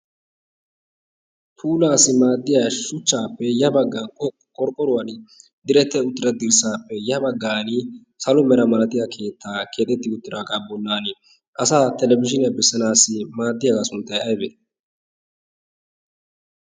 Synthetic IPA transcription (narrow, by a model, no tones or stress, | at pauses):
pʰuːlaːsɪmaːd̪ːɪjaʃʊt͡ʃːaːpːɛjɐbɐɡːan | kʼɔɾkʼːɔɾʊwɐn | d̪ɪɾɛt̪ːɛʊt̪ːɪɾɐd̪ɪɾsaːpːɛjɐbɐɡːaːnɪ | sɐlʊmɛɾɐmɐlɐt̪ɪjakʰe̞ːt̪ʰːaːke̞ːt̪ːɛt̪ːɪʊt̪ːɪɾaːɡaːbɔnːaːnɪ | ʔɐsaːt̪ɛlɛbɪʃɪnɐbɛsːɐnaːsɪmaːd̪ːɪjaɡasʊnt̪ːɐjɐjbɛː